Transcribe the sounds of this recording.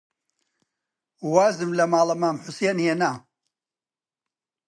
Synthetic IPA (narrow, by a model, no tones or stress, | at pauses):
waːzɨmlɐmaːlˠɐmaːmħʊseːnhenaː